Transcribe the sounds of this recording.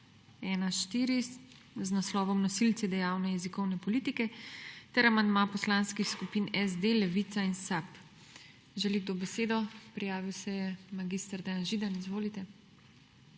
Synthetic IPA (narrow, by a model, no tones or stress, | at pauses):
ɛːnaʃt̪iːɾist̪ | znaslɔːʋɔmnɔsilt̪sɛd̪ɛjaːwnɛjɛzikɔwnɛpɔliːt̪ikɛt̪ɛɾamand̪maːpɔslanskixskupinɛzd̪elɛʋit̪sainsap | ʒɛliɡ̚d̪obɛseːd̪ɔpɾijaːʋiwsɛjɛmaɡist̪əɾd̪ɛjanʒiːd̪anizʋoːlit̪ɛ